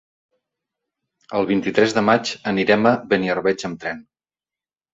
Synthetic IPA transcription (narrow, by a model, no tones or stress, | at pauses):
əlˠβint̪it̪ɾɛzðəmat͡ʃəniɾɛməβəniərβɛd͡ʒəmt̪ɾɛn